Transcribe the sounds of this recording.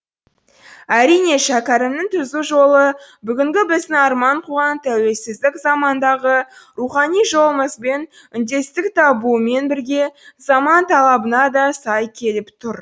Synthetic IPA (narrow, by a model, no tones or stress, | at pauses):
æɾijne̞ʃækʲɑɾəmnɪŋt̪ʰʏzuʒo̞lˠəbʏɡʲɪŋɡʲɪbɪzd̪ɪɑɾmɑɴqʰuʁɑnt̪ʰæwe̞lsɪzd̪ɪkzɑmɑnd̪ɑʁəɾuχɑnijʒo̞lˠməzbe̞n | ʏnd̪e̞st̪ɪkt̪ʰɑbume̞nbɪɾɡʲe̞zɑmɑnt̪ʰɑlˠɑbənɑd̪ɑsɑjkʲʰe̞lɪpt̪ʰʊɾ